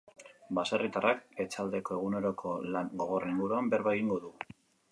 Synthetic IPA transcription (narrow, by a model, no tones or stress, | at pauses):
basarit̪arʔake̞t͡sald̪e̞ko̞e̞ɣ̞une̞ɾo̞kʰo̞laŋɡo̞ɣo̞riŋɡuɾuambeɾβaɣiŋɡo̞ðu